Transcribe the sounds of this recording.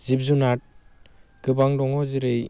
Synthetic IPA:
zib̚zunat̚ɡ̥ɯbaŋdɔŋɔzɯɾɯj

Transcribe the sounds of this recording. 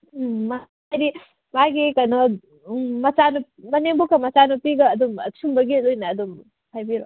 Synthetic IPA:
ma | jɾi | maɡikanɔ | mɐt͡ʃanu | mɐneŋbokɐmɐt͡ʃanupiɡɐːdumɐsumbɐɡidojnɐːdum | hajbiɾo

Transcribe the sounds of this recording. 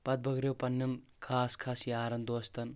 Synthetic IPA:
pɐt̪̚bʱɐɡɾjowpɐnːjɐmkʰaːskʰaːsiaːɾɐnd̪oːst̪ɐn

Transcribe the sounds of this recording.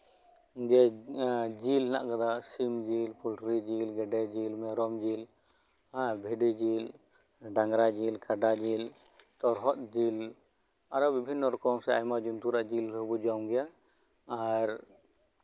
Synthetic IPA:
d͡ʒɛ | d͡ʒilna̰ʔkad̪asimd͡ʒilpʰulʈɾid͡ʒilɡɛɖɛd͡ʒilmɛɾɔmd͡ʒil | abʱiɖid͡ʒil | ɖaŋɡɾad͡ʒilkʰaɖad͡ʒil | t̪ɔɾɦɔt̪̚d͡ʒil | aɾɔbibʱinːɔɾɔkɔmsɛajmad͡ʒunt̪uɾaʔd͡ʒilɾəbud͡ʒamɡɛjaː | ɾ

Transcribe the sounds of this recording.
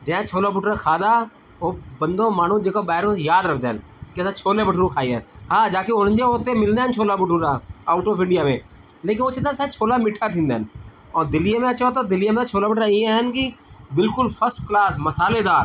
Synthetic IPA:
d͡ʒɛ̃ːt͡ʃʰoːlaːbʊʈɾaːkʰaːd̪aː | oːbənd̪õːmaːnũːd͡ʒeːkoːbaːɦɪɾõːjaːd̪ɾəkʰd̪eːən | kɪsaːt͡ʃʰoːleːbəʈʰːɾõːkʰaːiːɛ̰ːhaːd͡ʒaːkeʊnd͡ʒeoːt̪eːmɪld̪eːənt͡ʃʰoːlaːbʊʈʰuːɾaːaːʊʈoːpɪ̃ɳɖɪjaːmẽː | leːk̬ɪnoːt͡ʃə̃nd̪aːsãːt͡ʃʰoːlaːmiːʈʰːaːt̪ʰĩːnd̪eːn | ɔːɾd̪ɪlɪjãːmẽət͡ʃoːt̪oːd̪ɪlɪjaːmẽat͡ʃʰoːlaːmɪʈɾaːiːeɦənkɪbɪlkʊlpʰəsʈklaːsməsaːleːd̪aː

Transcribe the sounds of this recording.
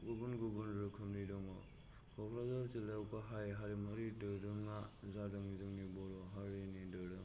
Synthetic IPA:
ɡubunɡubunɾɯkʰɯmnidɔŋɔ | kʰɔkʰɾazaɾtilewpaɦajɦaɾimaɾidɯɾɯŋazadɯŋzɯŋnibɔɾɔɦaɾinidɯdɯŋ

